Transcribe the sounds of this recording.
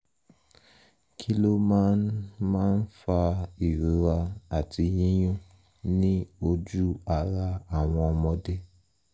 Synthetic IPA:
kʰi˦lo˦mã˦nmãː˦n̩˦fa˧i˨ɾu˨˦ɾa˧a˨tʰi˧jĩ˦j̃ũ˦ | nĩ˦o˧d͡ʒu˦a˨ɾa˧a˨w̃ɔ̃˧ɔ˧mɔ̃˧de˦

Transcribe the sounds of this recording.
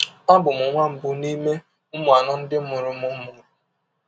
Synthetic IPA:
ɔ˦bʊ˨mʊ˨ŋʷa˦m̩˨bʊ˨˦ni˦me˦ | ʊ˦mʊ˨a˨nɔ˦n̩˦dɪ˦m̩˦mʊ˨ɾʊ˦mʊ˦mʊ˨ɾ

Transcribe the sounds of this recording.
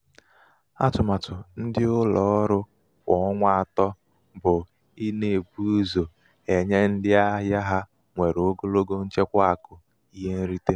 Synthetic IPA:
a̰˦tʊ˨ma˨tʊ˨n̩˦dɪ˦ʊ˦lɔ˨˦ɾʊ˦ | kʷɔ˨˦ɔ˦ŋʷa˦˨a˨tɔ˦ | bʊ˨ | i˦ne˨bu˦zo˨ | e˨ɲe˦n̩˦dɪ˦a˦ɦja˦ɦa˦ | ŋʷe˨ɾo˨˦ɡo˦lo˦ɡo˦n̩˦t͡ʃe˦kʷa˦a˨kʊ˨ | i˦ɦe˦n̩˦ɾi˦te˦

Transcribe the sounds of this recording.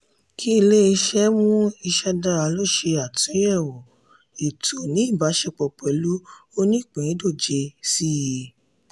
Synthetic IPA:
kʰi˦i˧le˦i˧ʃɛ˦mũ˦i˧ʃɛ˦da˦˧ɾa˧lo˦ʃe˧a˨tʰũ˨˦ɛ˦˨wɔ˨ | i˨tʰo˨nĩ˨˦i˦˨ba˨˦ʃɛ˧˨k͡pɔ˨k͡pɛ˨˦lu˦o˦nĩ˦˨k͡pẽ˨˦do˦˨d͡ʒe˧si˦˨je˧

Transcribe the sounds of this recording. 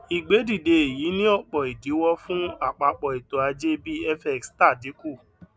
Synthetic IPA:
i˨ɡ͡be˨˦di˦˨de˧e˨ji˨˦nĩ˦ɔ˦˨k͡pɔ˨i˨di˨˦wɔ˦fũ˦a˦˨k͡pa˧k͡pɔ˨i˨to˨a˧d͡ʒe˦bi˦ɛ˦fɛ˦˨ksta˦˨di˨˦ku˦˨

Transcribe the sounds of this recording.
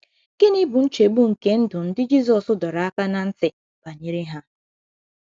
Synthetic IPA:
ke˦ni˦bʊ˨n̩˦t͡ʃe˨bu˦ŋ̩˨ke˦n̩˦dʊ˨n̩˦dɪ˦d͡ʒi˦sɔ˨sʊ˦dɔ˨ɾa˨a˦ka˦na˨n̩˦tɪ˨ | b̥a˨ɲe˨ɾi˦ɦa˦

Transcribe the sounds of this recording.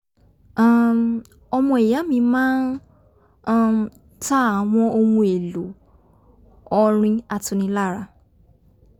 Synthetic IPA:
a˨m | ɔ˧mɔ̃˧e˨ja˨˦mĩ˧mãː˦n˦ | ta˦a˨˦w̃ɔ̃˧o˧wũ˧e˨lu˨˦ | ɔ˧ɾ̃ĩ˧a˧tũ˧nĩ˧˦la˦˨ɾa˧

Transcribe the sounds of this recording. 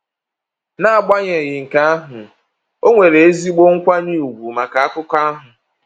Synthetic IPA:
na˦a˨ɡ͡ba˦ɲe˨ɣɪ˨ŋ̩˨ka˦a˦ɦʊ˨ | o˦ŋʷe˨ɾe˨e˦zi˦ɡ͡bo˦ŋ̩˦kʷa˦ni˦˨u˨ɡʷu˨ma˨ka˨a˦kʊ˦ka˦a˦ɦʊ˨

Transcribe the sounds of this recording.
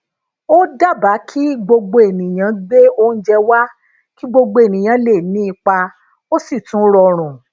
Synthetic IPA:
o˦da˦˨ba˨˦kʰi˦ɡ͡bo˧ɡ͡bo˧e˨nĩ˨j̃ã˨˦ɡ͡be˦o˦n̩˦d͡ʒɛ˧wa˦ | ki˦ɡ͡bo˧ɡ͡bo˧˦e˨nĩ˨j̃ã˨˦le˦˨nĩ˦i˧k͡pa˧ | o˦si˦˨tũ˨˦ɾɔ˧ɾ̃ũ˨

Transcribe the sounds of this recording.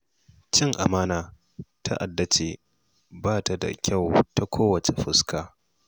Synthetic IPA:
t͡ʃɪ˦ŋʔa̰˨maː˦naː˨ | tʰa̰˦ʔa˨dːa˦t͡ʃe˨ | baː˦˨ta˨da̰˨kʲʰa˦˨wta˦kʷʰoː˦wɐ˨t͡ʃe˨ɸɪ˦skʰaː˦

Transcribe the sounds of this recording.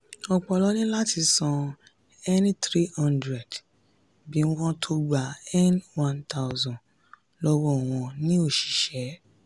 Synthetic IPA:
ɔ˧k͡pɔ˧lɔ˨˦nĩ˦la˦ti˧sɔ̃˧ | ɛ˦n˦tɾi˦hɔ̃˦˧ndɾɛ˨d | bi˨˦wɔ̃˦tʰo˧ɡ͡ba˨ɛ˦nwã˦ntʰa˦ʊzɔ̃˨n | lɔ˦wɔ̃˦ɔ˨w̃ɔ̃˧nĩ˦o˦˨ʃi̥˨ʃɛ˨˦

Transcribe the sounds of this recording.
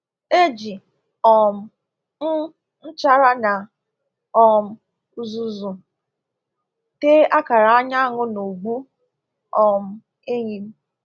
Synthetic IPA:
e˦d͡ʒi˨ | ɔ˨m̩˨ | n̩˦ | n̩˦t͡ʃa˦ɾa˦na˨ | ɔ˨m̩˦ | zu˦zu˨ | te˦ʔa˦ka˨ɾa˨a˦ɲa˦ŋʊ˦no˨ɡ͡bu˦ | ɔ˨m̩˨˦ | e˦ɲi˨m̩˦

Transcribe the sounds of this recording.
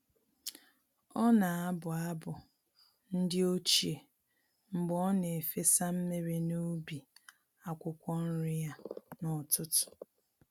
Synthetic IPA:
ɔ˦na˨a˦bʊ˨a˦bʊ˨ | n̩˦dɪ˦o˦t͡ʃe˨ | ŋ͡m̩˨ɡ͡bɔ˦ne˨fe˦sa˦m̩˦me˦ɾe˨nu˦bi˨ | a˦kʷʊ˦kʷɔ˦n̩˦ɾɪ˦ja˦nɔ˨tʊ˦tʊ̥˨

